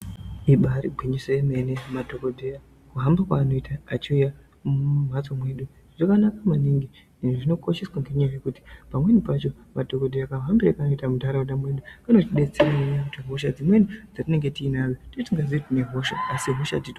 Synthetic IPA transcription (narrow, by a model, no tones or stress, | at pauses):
iɓaɾḭɡʱwiɲisojeme̞ne̞madʱokodʱeja | kuɦambakwaːno̞itʰaːt͡ʃiuja | mumwat͡so̞mwe̞ɗu | ʐ̥akanakamaniŋɡi | iʐino̞koʃeswaŋɡe̞ɲajaje̞kuti̥pamwe̞nipat͡ʃo̞ | madʱo̞kodʱeakaɦambiɾakano̞itamutaɾauɗamwe̞ɗukanotiɗet͡seɾaneɲajakutiɦo̞ʃad͡zimwe̞nid͡zatine̞ŋɡe̞tiːnajototiŋɡaziitine̞ɦo̞ʃa̰ːsiɦo̞ʃa̰tito